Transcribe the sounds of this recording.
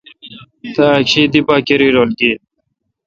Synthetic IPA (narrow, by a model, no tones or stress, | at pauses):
t̪aːkɕiːd̪ipaːkeɾiːɾoːlɡiː